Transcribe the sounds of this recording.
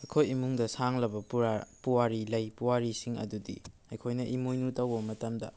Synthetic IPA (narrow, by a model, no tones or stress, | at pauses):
ɐjkʰojimuŋdɐsaŋlɐbɐuapuwaɾilɐjpuwaɾisiŋɐ̰dudḭ | ɐjkʰojnɐʔimujnutɐwbɐmɐtɐmdɐ